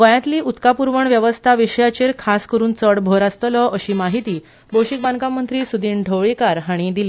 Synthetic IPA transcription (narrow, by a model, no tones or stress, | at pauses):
ɡə̃jat̪liːut̪kapuɾʋəɳʋjəʋəst̪ʰaʋiʂjat͡ɕeɾkʰaskəɾuːnt͡səɽbʱoɾast̪lɔʔəɕiːmaɦit̪iː | bowɕik̚bãnkamənt̪ɾiːsud̪ʱiːɳɖʱəʋɭikaɾɦaɽ̃id̪ili